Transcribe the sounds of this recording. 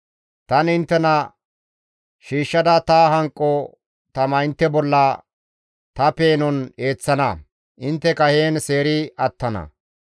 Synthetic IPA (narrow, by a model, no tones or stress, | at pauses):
t̪ɐnɪnt̪ːɛnɐ | ʃiːʃːɐd̪ɐt̪aɦɐŋkʼːɔ | t̪ɐmɐɪnt̪ːɛbɔlːɐ | t̪ɐpeːnɔne̞ːt͡sːɐnɐ | ʔɪnt̪ːɛkɐheːnse̞ːɾɪɐt̪ːɐnɐ̰